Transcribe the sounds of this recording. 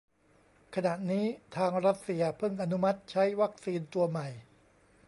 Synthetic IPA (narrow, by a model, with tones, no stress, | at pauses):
kʰa˧na˨˩ʔniː˦˥t̪ʰaː˧ŋɾa˦˥t̪̚si˧ɐpʰɯ˥˩ŋʔa˧nu˦˥ma˦˥t̪̚t͡ɕʰa˦˥jwa˦˥k̚siː˧nt̪u˧ɐma˨˩j